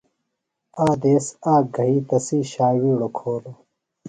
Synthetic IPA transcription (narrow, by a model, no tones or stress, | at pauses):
aːd̪eːsaːɡʱɐiːt̪ɐsiːɕaːwiːɽokʰoːlo